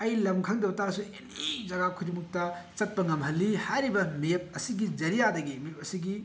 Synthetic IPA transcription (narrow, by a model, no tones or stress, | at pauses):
ɐjlɐmkʰaŋdɐbɐtasuenid͡ʒɐɡakʰujdimuk̚tɐt͡ʃɐt̚pɐŋɐmɦɐlːihajɾibɐmep̚ɐsiɡid͡ʒɐɾijadɐɡimep̚ɐsiɡi